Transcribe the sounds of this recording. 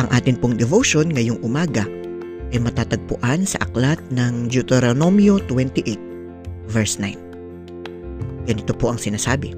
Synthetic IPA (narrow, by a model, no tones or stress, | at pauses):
ʔɐŋʔaːt̪ɪnpoŋd̪ɛvoʃo̞nŋɐjoŋʔʊmaːɡɐ | ʔɐjmɐt̪aːt̪ɐɡ̚pʊʔansɐ̰ʔɐklat̪̚nɐŋd͡ʒʊt̪ɛɾonomjot̪wɛnt̪ɪʔet̪̚ | vɛɹsnajn | ɡ̥ɐnɪt̪opo̞ʔɐŋsɪnaːsaːbɪ